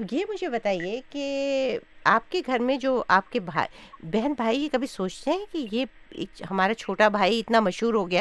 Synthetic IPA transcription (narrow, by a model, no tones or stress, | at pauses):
jemʊd͡ʒʱebɐt̪aːieke | aːp̚keɡʱɐɾmẽd͡ʒoːʔaːp̚kebʱa̰ːbɛɦənbʱaːijekɐbʱisoːt͡ʃt̪eɦɛ̃kijḛːkhɐmaːɾat͡ʃʰoːʈabʱaːiɪt̪namɐʃɦuːɾɦoɡɐjaː